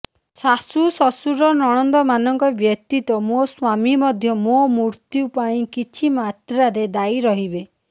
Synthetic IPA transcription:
sasusɔsuɾɔnɔɽ̃ɔnd̪ɔmanɔŋkɔbjɔk̚t̪it̪ɔmoswamimɔd̪ʱjɔmomuɾt̪iupaĩkit͡ʃʰimat̪ɾaɾed̪ajɾɔɦibe

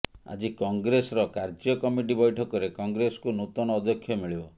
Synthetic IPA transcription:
a̰d͡ʒikɔŋɡɾesɔɾɔkaɾd͡ʒiɔkɔmiʈibɔjʈʰɔkɔɾekɔŋɡɾesɔ̥kunut̪ɔnɔːd̪ɔkʰːjɔmiɭibɔ

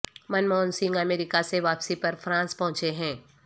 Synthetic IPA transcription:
mɐnmɔːnsɪ̃ŋɡəmeːɾɪkaseʋaːpsipɐɾfɾãːnspɐɦʊ̃t͡ʃeɦɛ̃ː

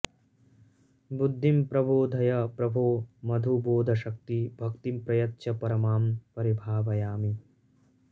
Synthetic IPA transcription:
bud̪ʱːimpɾɐbʱoːd̪ʱɐjɐpɾɐbʱoːmɐd̪ʱuboːd̪ʱɐʃɐk̚t̪ibʱɐkt̪impɾɐjɐt̪ːʃɐpɐɾɐmaːmpɐɾibʱaːʋɐjaːmi

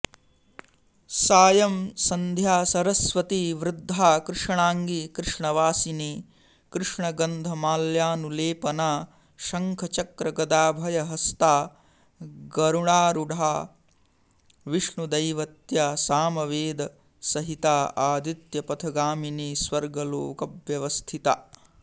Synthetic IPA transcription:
saːjɐmsɐnd̪ʱjaːsɐɾɐsʋɐt̪iʋɾɪd̪ʱːaːkɾɪʂɐɳaːŋɡikɾɪʂɳɐʋaːsiniː | kɾɪʂɳɐɡɐnd̪ʱɐmaːljaːnuleːpɐnaː | ʃɐŋkʰɐt͡ʃɐkɾɐɡɐd̪aːbʱɐjɐɦɐst̪aː | ɡɐɾuɳaːɾuɖʱaː | ʋiʂɳud̪ɐjʋɐt̪jaːsaːmɐʋeːd̪ɐ | sɐɦit̪aːaːd̪it̪jɐpɐt̪ʰɐɡaːminiːsʋɐɾɡɐloːkɐbʋjɐʋɐst̪ʰit̪a̰

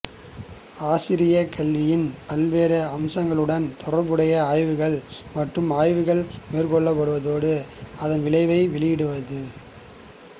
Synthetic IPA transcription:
aːsɪɾɪjɐkʰɐɭʋɪjɪnpɐlʋeːɾɐɐmsɐŋɡɐɭɯɽɐnt̪ɔɽɐɾbɯɽɐjɐaːjʋɯɣɐɭmɐʈrɯmaːjʋɯɣɐɭmeːrkɔɭːɐpːɐɽɯʋɐðoːɽɯɐðɐnʋɪɭɐɪʋɐɪʋɪɭɪjɪɽɯʋɐðɯ

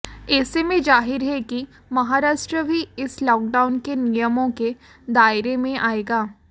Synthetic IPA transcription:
ɛːsemẽd͡ʒaːɦɪɾɦɛki | mɐɦaːɾaːʃʈɾəbʱiɪslɔːk̚ɖaːʊnkenijəmõke | d̪aːɪɾemẽʔaːeːɡaː

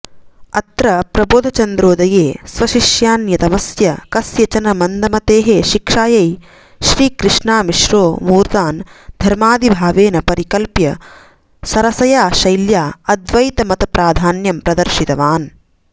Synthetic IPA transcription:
ɐt̪ɾɐpɾɐboːd̪ʱɐt͡ʃɐnd̪ɾoːd̪ɐjeːsʋɐʃiʃjaːnjɐt̪ɐmɐsjɐkɐsjɐt͡ʃɐnɐmɐnd̪ʱɐmɐt̪eːɦeːʃikʂaːjɐj | ʃɾiːkɾɨʂɳaːmiʃɾoːmuːɾt̪aːnd̪ʱɐɾmaːd̪ibʱaːʋeːnɐpɐɾikɐlpjɐ | sɐɾɐsɐjaːʃɐjljaːɐd̪ʋɐjt̪ɐmɐt̪ɐpɾaːd̪ʱaːnjɐmpɾɐd̪ɐɾʃit̪ɐʋaːn

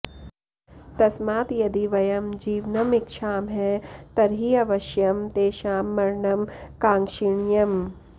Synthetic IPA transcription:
t̪ɐsmaːt̪jɐd̪iʋɐjɐmd͡ʒiːʋnɐmɪkʃaːmɦɛːt̪ɐɾɦiɐʋɐʃjɐmt̪eːʃaːmːɐɾɳɐmkãːŋʃiɳjɐm

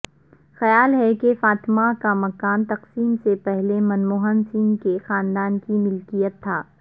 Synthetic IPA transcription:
xɐjaːlɦɛkefaːt̪ɪmakamɐkaːnt̪ɐqsiːmsepɛɦlemɐnmoːɦənsiːnkexaːnd̪aːnkimʊlkijət̪ʰːaː

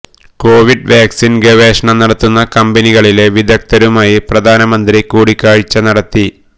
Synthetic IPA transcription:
ko̞ːʋiɖʋaːksinɡeʋeːʂɐɳɐnɐɽɐt̪ːunːɐkɐmbɐniɣɐɭile̞ʋid̪ʱɐk̚t̪ɐɾumaːjiprɐd̪ʱaːnɐmɐnd̪ɾikuːɽikʲːaːɻit͡ɕːɐnɐɽɐt̪ːi

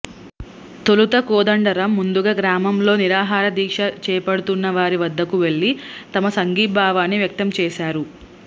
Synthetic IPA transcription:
t̪olut̪ɐkoːd̪ɐɳɖɐɾɐmːund̪uɡaːɡɾaːmɐmlo̞ːniɾaːɦaːɾɐd̪iːkʂɐt͡ʃɛːpɐɽut̪unːɐʋaːɾiʋɐd̪ʱːɐkuʋe̞ɭːit̪ɐmɐsɐŋɡiːbʱaːʋaːnːiʋjɐk̚t̪ɐmt͡ʃɛːʃaːɾu

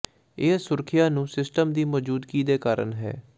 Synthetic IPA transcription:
ɪːsʊɾkʰɪjaːnũːsɪsʈəmd̪iːmɔːd͡ʒuːd̪kiːd̪eːkaːɾə̰nɦɛ̰ː

